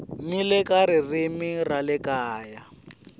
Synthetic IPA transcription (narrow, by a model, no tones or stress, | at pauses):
milɛkʼaɾirimiralɪkaːja